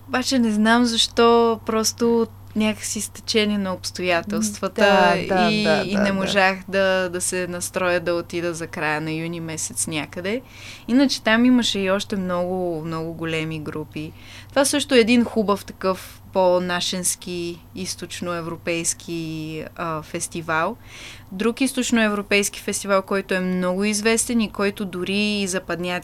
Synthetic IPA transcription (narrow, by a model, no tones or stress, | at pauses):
obat͡ʃɛnɛznamzɐʃt̪ɔpɾɔst̪ot̪ | nʲakəksist̪ɐ̥t͡ʃɛniɛnɐopst̪ojat̪ɛlˠst̪vət̪əiːnɛmoʒaxd̪ɐd̪ɐsɛnɐst̪ɾɔjəd̪ɐot̪id̪əzɐkɾajənɐjunimɛsɛt̪snʲakəd̪ɛ | inət͡ʃɛ̥t̪amiməʃɛiɔʃt̪ɛmnɔɡʊmnɔɡʊɡolɛmiɡɾupi | t̪ovasɤʃt̪ʊɛːd̪inxubəft̪ɐ̥kɤf | ponaʃɛnsk̟i | ist̪ot͡ʃnoɛvɾopɛjskʰiəfɛst̪ivalˠ | d̪ɾukist̪ot͡ʃnoɛvɾopɛjsk̟i̥fɛst̪ivalˠkɔjt̪ʊɛmnɔɡʊizvɛst̪ɛnikɔjt̪ʊd̪ʊɾiːzɐpɐd̪nʲa